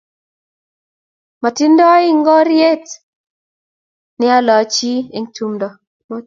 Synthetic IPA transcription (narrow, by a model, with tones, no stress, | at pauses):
ma˨ti˦ndɔ˦ɪ˦ŋɡɔ˦ɾje˦t | nɪ˦a˦lɔ˨˦t͡ʃi˦e˨ŋtu˦mdɔ˨ | mo˦